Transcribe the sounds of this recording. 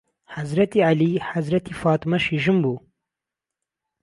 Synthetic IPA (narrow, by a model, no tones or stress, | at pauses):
hazɾɐt̪ialihazɾɐt̪ifɑːt̪ɨmɐʃiʒɨmbuː